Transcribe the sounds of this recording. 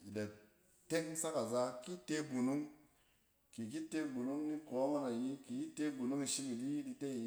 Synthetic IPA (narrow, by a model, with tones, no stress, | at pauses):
i˨da˨ | te˦ŋ˦sa˦ka˨za˦ki˦te˦ɡu˨nu˦ŋ | ki˨k̬i˦te˦ɡu˨nu˦ŋni˦ko˨˦ŋa˦ka˨ji˦ki˨ji˦te˦ɡu˨nu˦ŋi˨ʃi˦ki˨di˦ji˦di˧te˦˨i˦